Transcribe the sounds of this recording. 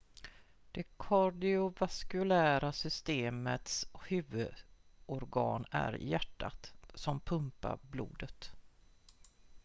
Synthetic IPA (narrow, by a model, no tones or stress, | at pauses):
d̪̥ɛkʰɔɖɪʊvaskɵlæːɾasʏst̪eːmət̪shʉːvɵd̪ɔɾɡɑ̰ːnæ̰ɾjæʈːa̰t̪sɔmpʰɵmpa̰ɾblṵːd̪ət̪